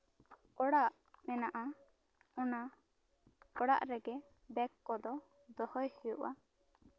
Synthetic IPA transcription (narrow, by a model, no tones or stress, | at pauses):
ɔɽaʔ | mɛnaʔa | ɔna | ɔɽa̰ʔɾɛɡɛ | bɛkːɔd̪ɔ | d̪ɔhɔjhijuʔa̰